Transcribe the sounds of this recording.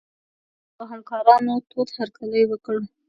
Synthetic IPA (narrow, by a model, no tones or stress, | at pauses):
pəɦamkɑɾɑnot̪ʰod̪haɾkaləjwəkɽu